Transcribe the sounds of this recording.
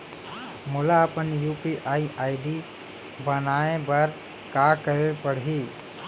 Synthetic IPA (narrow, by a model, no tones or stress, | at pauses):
mʊlaəpənjupiʔaːiʔaɪɖi | bənaebəɾ | kakəɾepəɽɦi